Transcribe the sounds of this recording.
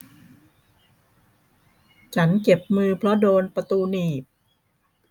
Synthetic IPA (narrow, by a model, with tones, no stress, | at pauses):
t͡ɕʰa˦˥nke˨˩p̚mɯː˧pʰɾɔ˦˥doː˧npa˧t̪uː˧niː˨˩p̚